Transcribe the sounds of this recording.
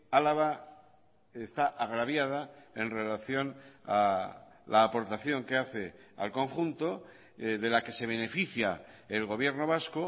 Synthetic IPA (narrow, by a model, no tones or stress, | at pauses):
alaβa | est̪aʔaɣ̞ɾaβjað̞ae̞nre̞laθjo̞na̰ | lʔaːpo̞ɾt̪aθjo̞ŋkeaθe̞a̰lko̞ŋxunt̪o̞ | ðe̞lake̞se̞β̞e̞ne̞fiθjaelɣo̞β̞je̞ɾno̞β̞asko